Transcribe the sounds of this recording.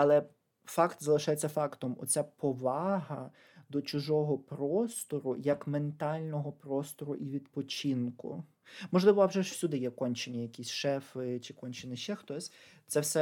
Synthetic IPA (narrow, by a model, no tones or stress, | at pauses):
ɐlˠɛ | fɑkt̪zɐlˠɪʃajet͡sʲːɐfɑkt̪ɔmɔ̰t͡sʲapɔʋɑɦɐ | d̪ɔt͡ʃʊʒɔɦɔpɾɔst̪ɔɾʊjɐkme̞nt̪ɑlʲnɔɦɔpɾɔst̪ɔɾʊʔiʋʲid̪pɔt͡ʃinkʊ̰ | mɔʒlˠɪʋɔɐwʒɛʃwsʲud̪ɪjɛkɔnʲt͡ʃenʲːɐjɐkʲisʲʃɛfɪt͡ʃɪkɔnʲt͡ʃɪnɪʃt͡ʃɛxt̪ɔsʲ | t̪sɛwsɛ